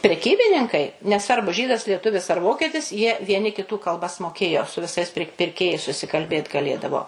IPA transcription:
pʲrʲɛˈkʲiːbʲɪnʲɪŋkɐɪ nʲɛˈsʋɐrbʊ ˈʒʲiːdɐs lʲiɛˈtʊʋʲɪs ɐr ˈʋoːkʲiɛtʲɪs jiɛ ʋʲiɛˈnʲɪ kʲɪˈtuː kɐlˠˈbɐs moːˈkʲeːjoː sʊ ʋʲɪˈsɐɪs pʲɪr pʲɪrʲˈkʲeːjɛɪs sʊsʲɪkɐlʲˈbʲeːt ɡɐˈlʲeːdɐʋoː

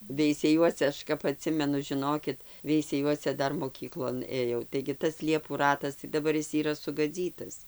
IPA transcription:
ʋʲɛɪsʲɛˈjuɔsʲɛ ˈɐʃ kɐp ɐˈtʲsʲɪmʲɛnʊ ʒʲɪˈnoːkʲɪt ʋʲɛɪsʲˈæːjuɔsʲɛ ˈdɐr moːˈkʲiːklˠoːn ˈeːjɛʊ tɐɪɡʲɪ ˈtɐs ˈlʲiɛpuː ˈrɑːtɐs tɐɪ dɐˈbɐr ˈɪs iːˈrɐ sʊɡɐˈd͡zʲiːtɐs

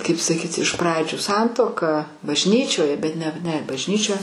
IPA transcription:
ˈkɐɪp sɐˈkʲiːtʲɪ ɪʃ ˈprɑːd͡ʒʲuː ˈsɐntuɔkɐ bɐʒʲˈnʲiːt͡ʃʲoːjɛ bʲɛt ˈnʲɛ nʲɛ bɐʒʲˈnʲiːt͡ʃʲoːjɛ

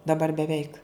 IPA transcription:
dɐˈbɐr bʲɛˈʋʲɛɪk

